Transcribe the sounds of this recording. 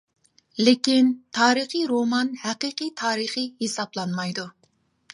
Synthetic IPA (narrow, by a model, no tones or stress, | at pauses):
lɪkʲint̪ʰɑːɾɨχɨɾomɑnhæqɨqɨjt̪ʰɑːɾɨχɨhesɑblˠɑnmɑjd̪u